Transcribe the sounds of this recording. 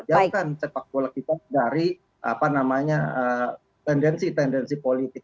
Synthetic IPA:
d͡ʒakansepak̚kolakit̪adaɾi | ʔa̰panamaɲaə | t̪ɛndɛnsit̪ɛndɛnsipolit̪ɪk̚

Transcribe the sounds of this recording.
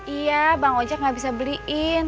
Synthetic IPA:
ijabaŋod͡ʒak̚ŋabisabəliʔɪn

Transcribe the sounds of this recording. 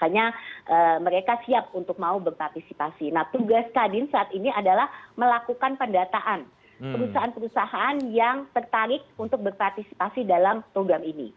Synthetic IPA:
akaɲaʔəməɾekasiap̚unt̪ʊk̚maubərpart̪isipasinaht̪uɡaskadɪnsaʔːt̪iniadalahməlakukanpəndat̪aʔan | pəɾusaʔanpəɾusaɦaanjaŋt̪ərt̪aɾɪk̚unt̪ʊk̚bərpart̪isi̥pasidalampɾoɡɾaminḭ

